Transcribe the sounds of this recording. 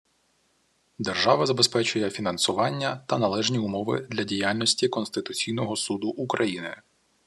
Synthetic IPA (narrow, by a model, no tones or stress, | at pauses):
d̪erʒɑʋɐzɐbespɛt͡ʃʊjɛfʲinɐnsʊʋɑnʲːɐt̪ɐnɐlˠɛʒnʲiʊmɔʋɪ̰d̪lʲɐdʲijalʲnɔsʲtʲikɔnst̪ɪt̪ʊt͡sʲijnɔɦɔsud̪ʊʔukɾɐjinɪ